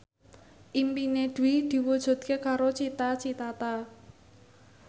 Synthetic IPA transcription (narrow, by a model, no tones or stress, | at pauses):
ʔimpined̪̥ṳwid̪̥i̤wud̥ʒ̥ṳd̪̥̚kekaɾot͡ʃit̪at͡ʃit̪at̪a